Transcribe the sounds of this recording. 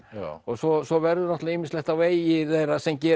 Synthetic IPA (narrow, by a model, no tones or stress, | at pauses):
ɔsɔsɔvɛɾðʏnɔht̪laimɪnslɛht̪aveːjjɪθejrasɛmcɛː